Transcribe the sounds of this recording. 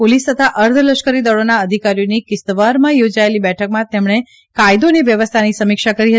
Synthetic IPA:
polist̪ət̪ʰaʔəɾd̪ʱələʃkəɾid̪əɭonaəd̪ʱikaɾijonikɪst̪əʋaɾmãjod͡ʒaelibɛʈʰəkmãt̪emɳ̃e | kajd̪oneʋjəʋəst̪ʰanisəmikʃakəɾiɦə

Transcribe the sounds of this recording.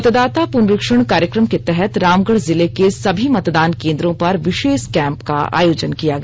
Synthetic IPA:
ɐt̪d̪aːt̪apunɾɪkʃəɽ̃kaːɾjəkɾəmket̪ɛɦɛt̪ɾaːmɡəɽzɪlekesɐbʱimɐt̪d̪aːnkẽːnd̪ɾõpɐɾʋɪʃeːʃkɛ̃ːmpka̰a̰ːjoːd͡ʒənkijaɡɐ

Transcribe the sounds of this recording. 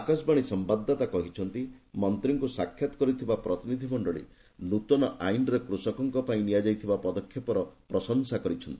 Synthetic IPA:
akasbaɽ̃isɔmbad̪ʱːɔt̪akɔɦit͡ʃʰɔnt̪imɔnt̪ɾiŋkusakʰːjat̪ɔ̥kɔɾit̪ʰibapɾɔt̪inid̪ʱimɔɳɖɔɭḭ | nut̪ɔnɔʔajnɾekɾusɔkɔŋkɔpaĩnijad͡ʒajt̪ʰibapɔd̪ɔkʰjepɔɾɔpɾɔsɔŋsakɔɾit͡ʃʰɔnt̪i

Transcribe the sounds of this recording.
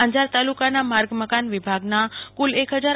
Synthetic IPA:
ə̃ɲd͡ʑaɾt̪aːlukanamaɾɡməkanʋɪbʱaɡnakʊlekɦəd͡zaːɾ

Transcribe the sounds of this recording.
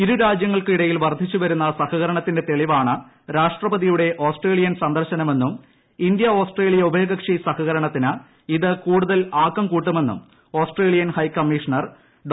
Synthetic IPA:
iɾuɾaːd͡ʑjɐŋːɐɭkɨiɽɐjilʋɐrd̪ʱit͡ɕːuʋɐɾunːɐsɐhɐɣɐɾɐɳɐt̪ːinde̞t̪eɭiʋaːɳɨ | ɾaːʂʈrɐbɐðijuɽe̞ʔo̞ːsʈre̞ːlijɐnsɐnd̪ɐrɕɐnɐme̞nːum | ind̪jɐo̞ːsʈre̞ːlijɐubʱe̞ːɡɐkʂisɐhɐɣɐɾɐɳɐt̪ːinɨ | iðɨkuːɽuðɐlaːkːɐmkuːʈːuɐme̞nːṵm | o̞ːsʈreːɭijɐnhɐjkɐmːiʂɐnɐr | ɖ

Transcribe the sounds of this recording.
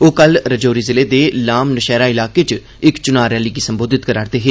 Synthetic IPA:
oːkəlɾəd͡ʒoːɾiːzɪleːd̪eːlaːmnəʃɛːɾaːɪlaːkeːt͡ʃ | ɪkt͡ʃʊnaːɾɛːliːkiːsəmboːd̪ɪt̪kəɾaːɾd̪eːɦeː

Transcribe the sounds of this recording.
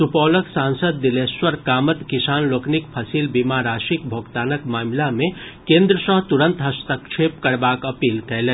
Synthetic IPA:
supɔːləksãnsəd̪ːileswəɾkaːmət̪kisaːnloːkʰnikpʰəsilbimaɾaːsik̚bʱoɡt̪aːnəkmaːmlamẽkẽnd̪ɾəsə̃ɦt̪uɾə̃nt̪ɦəst̪əkt͡ʃʰepkəɾbaːkɐpiːlkɛle

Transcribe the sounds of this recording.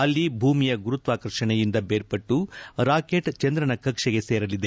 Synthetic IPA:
ɐlːibʱuːmijɐɡuɾut̪ʋaːkɐɾʂɐɳɛjind̪ɐbeːɾpɐʈːuɾaːke̞ːʈt͡ʃɐnd̪ɾɐɳɐkɐkʂɐɡe̞seːɾɐlid̪e

